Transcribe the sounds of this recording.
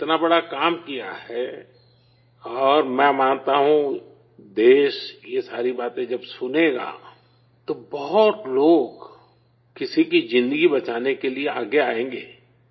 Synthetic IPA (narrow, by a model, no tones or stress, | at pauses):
ɪt̪nabɐɽakaːmkija̰hɛ | ɔːɾmɛ̃mãːnt̪aɦũ | d̪eːʃjesaːɾibaːt̪ẽd͡ʒɐbsʊneɡa̰ː | t̪obɔɦʊt̪loːɡ | kɪsikid͡ʒɪ̃nd̪əɡibɐt͡ʃaːnekelieaːɡeaːẽːŋɡeː